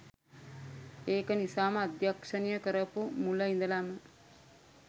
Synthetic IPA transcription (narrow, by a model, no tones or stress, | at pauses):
eːkənisaːməad̪jakʂənijəkəɾəpumuləind̪əlamə